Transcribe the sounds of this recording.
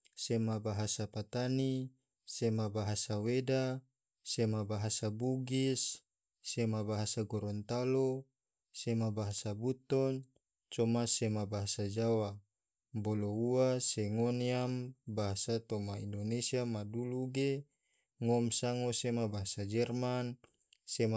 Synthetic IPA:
semabaɦasapat̪ani | semabaɦasaweda | semabaɦasabuɡisː | emabaɦasaɡɔɾɔnt̪alo | semabaɦasabut̪ɔn | t͡ʃɔmasemabaɦasad͡ʒawa | bɔlouaseŋɔniambaɦasat̪ɔmaḭndonesiamaduluɡe | ŋɔmsaŋosemabaɦasad͡ʒɛrman | sem

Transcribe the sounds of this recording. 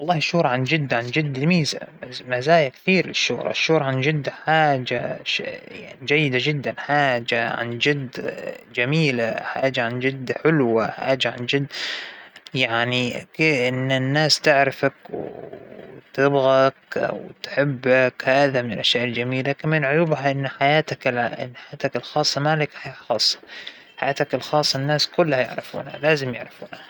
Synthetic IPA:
wɑlˤːɑːhʃuːɾˤʕand͡ʒɪd̪ːʕand͡ʒɪd̪ːɪlmiːza̰mazaːjakθiːɾlɪʃːʊ̰ːɾˤɑ̰ʃːuːɾʕand͡ʒɪd̪ːħaːd͡ʒaʃja̰ʕnid͡ʒajːɪd̪ad͡ʒɪd̪ːanħaːd͡ʒaʕa̰nd͡ʒɪd̪ːd͡ʒamiːlaħaːd͡ʒaʕand͡ʒɪd̪ːħɪlwaħa̰ːd͡ʒaʕa̰nd͡ʒɪd̪ː | jaʕnikːʔɪnːanːaːst̪ɪʕɾɪfakw | t̪ɪbɣakwt̪ħɪbːakhaːðamɪnɪlʔaʃaːʔɪld͡ʒamiːlakɪmmɪnʕʊjuːbɦaʔɪnːħajaːt̪aklɪ̰nːħajaːt̪akɪlxɑːsˤːɑmalɪkħaxɑːsˤːɑ̥ | ħajaːt̪akɪlxɑːsˤːɑnːaːskʊlːhajɪ̰ʕɾɪ̰fṵːna̰laːzɪmjɪ̰ʕɾˤɪfuːna

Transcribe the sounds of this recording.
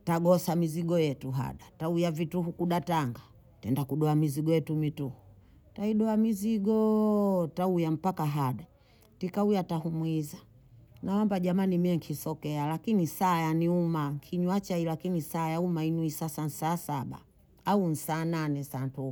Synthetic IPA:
taɡɔsamiziɡɔjɛtuɦa̰ɗataujavituɦukuɗataŋɡa | tɛndakuɗɔamiziɡɔjɛtumituhu | taiɗɔamiziɡɔtaujam̩pakaɦaɗa | tikaujatahumwiza | naɔmbaʄamanimiɛŋkʰisɔkɛalakinisaːjaniumaŋkʰiɲwat͡ʃailakinisaːjaumainuisasan̩saːsaɓa̰ː | un̩saːnanɛsaːntu

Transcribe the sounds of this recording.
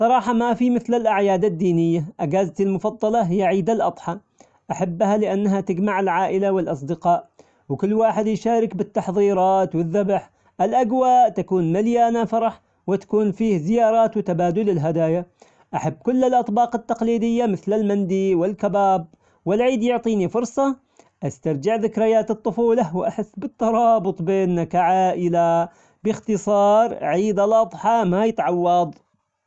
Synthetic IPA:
sˤɑɾˤɑːħɑmafimɪθlalʔaʕjaːd̪ad̪ːiːnɪjːaʔaɡaːzt̪ɪlmʊfɑd̪ˤːɑlɑɦɪjːaʕiːd̪alʔɑt̪ˤħɑ | ʔaħabːhalɪʔanːaɦat̪ɪɡmaʕɪlʕaːʔɪlawɪlʔɑsˤd̪ɪqɑːʔ | wkʊlːwaːħɪd̪jʃaːɾɪkbɪt̪ːɑħðˤiːɾˤɑːt̪wɪðːabħ | ʔɪlʔaɡwaːʔt̪akuːnmaljaːnafɑɾˤɑħ | wɪt̪ḁkuːnfiːhzɪjɑːɾˤɑːt̪wɪt̪abaːd̪ʊlɪlɦad̪aːja | ʔaħabːkʊlːɪlʔɑt̪ˤbɑːqɪt̪ːɑqliːd̪ɪjːamɪθlɪlmand̪iwɪlkabaːb̚ | wɪlʕiːd̪jʊʕt̪ˤiːnifʊɾˤsˤɑ | ʔast̪aɾˤd͡ʒɪʕðɪkɾajaːt̪ɨt̪ˤːʊfuːlawɪʔaħɪsːbɪt̪ːɑɾˤɑːbʊt̪ˤbeːnːakaʕaʔɪla | bɪxt̪ɨsˤɑːɾˤʕiːd̪alʔɑðˤħamajɪt̪ʕɑwːɑðˤ

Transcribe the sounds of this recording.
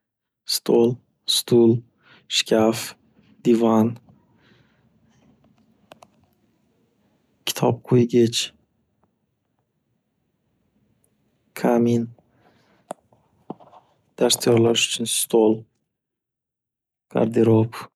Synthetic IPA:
st̪ʰolˠ | st̪ʰul | ʃkʲʰaf | d̪̥ivan | kʲʰɪ̥t̪ʰɒp̚qʰojɡʲɪt͡ʃ | kʰamin | d̪̥aɾst̪jɒɾlaʃʊ̥t͡ʃʰʊnst̪ʰolˠ | ɡ̥a̰ɾd̪eɾop

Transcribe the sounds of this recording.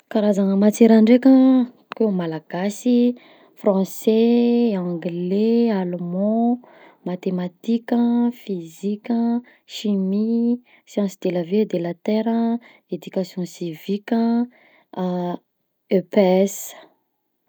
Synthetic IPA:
kaɾazanəmat͡seɾaɳɖ͡ʐekʲə | kemalaɡ̥asi | frɑ̃seãŋɡlealomɔ̃ | mat̪emat̪ikʲəfizikʲə | ʃimi | sjɑ̃nsid̪̥eləved̪elat̪ɛɾə | ed̪ykasjɔ̃sivikʲə | øpeɛs

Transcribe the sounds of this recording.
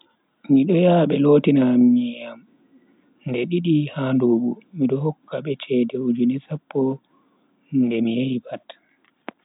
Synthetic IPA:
miɗɔjaːɓɛloːtinamijam | ndɛɗiɗihanduɓumiɗɔɦɔkːaɓɛt͡ʃɛdɛud͡ʒunɛsapːɔ | ndɛmijaibat

